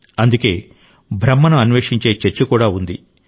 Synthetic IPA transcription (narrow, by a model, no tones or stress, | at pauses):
ɐnd̪uke̞ː | bʱɾɐmːɐnɐɐnʋeːʂiɲt͡ʃe̞ːt͡ʃɐɾt͡ʃɐkuːɽaːund̪i